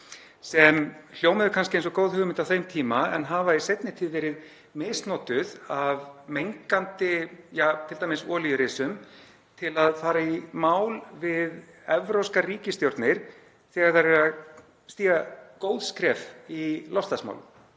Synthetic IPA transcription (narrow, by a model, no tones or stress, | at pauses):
sɛml̥joːwmɪðʏkʰanscɪejnsɔkowðhʏːɣʏmɪnt̪awθejmt̪ʰiːmaɛ̰nɦaːvaisejt̪nɪt̪ʰiːðvɛːɾɪð | meːst̪nɔːt̪ʏðavmejŋkant̪ɪjaːt̪ʰɪlt̪ajmɪsɔːlijʏɾɪːsʏm | t̪ʰɪlaðfaːɾaimaːwlvɪð | ɛvɾowskariːcɪst̪jowɾt̪nɪɾ̥ | θɛːɣaɾ̥θaɾvɛɾa | st̪iːɣakoːwðskɾɛfilɔst̪asma̰wlʏ̰m